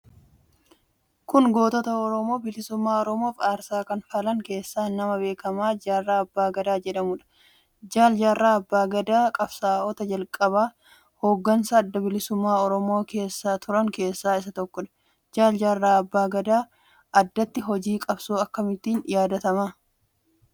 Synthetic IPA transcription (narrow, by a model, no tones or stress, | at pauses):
kʊnɡo̞ːt̪ɔt̪ɐɔɾɔmo̞ːbɪlɪsʊmːaːɔɾɔmo̞ːfaːɾsaːkɐnfɐlɐŋke̞ːsːaːnɐmɐbe̞ːkɐmaːd͡ʒaːrːaːɐbːaːɡɐd̪aːd͡ʒɛᶑɐmʊᶑɐ̥ | d͡ʒaːld͡ʒaːrːaːɐbːaːɡɐd̪aːkʼɐbsaːɔt̪ɐd͡ʒɐlkʼɐβaː | ho̞ːɡːɐnsɐːd̪ːɐbɪlɪsʊmːaːɔɾɔmo̞ːke̞ːsːaːt̪ʰʊɾɐŋke̞ːsːaːɪs̬ɐt̪ɔkːɔᶑɐ̥ | d͡ʒaːld͡ʒaːrːaːɐbːaːɡɐd̪aː | ʔɐd̪ːɐt̪ːɪɦɔd͡ʒiːkʼɐbsuːɐkːɐmɪt̪ːiːnɪjaːd̪ɐt̪ɐmaː